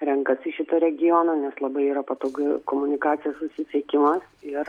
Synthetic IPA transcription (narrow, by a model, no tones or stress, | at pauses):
ɾʲɛŋkɐsɪʃʲɪt̪ɐɾʲɛɡʲɪjɔnɐnʲɛslˠɐbɐɪiːɾɐpɐt̪oːɡɐkoːmʊnʲɪkɑːt̪sʲɪjɛssʊsʲɪsʲɛkʲɪmɐsɪɾ